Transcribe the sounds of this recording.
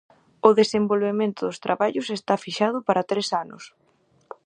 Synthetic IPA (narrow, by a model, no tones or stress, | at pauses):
ʊðesembolβemẽnt̪ʊðʊst̪ɾʔaβaʎʊsest̪afiʃað̞ʊpaɾɐt̪ɾesanʊ̰s